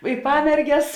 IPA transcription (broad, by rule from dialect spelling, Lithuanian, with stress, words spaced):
ɪ ˈpɑːmʲɛrʲɡʲɛs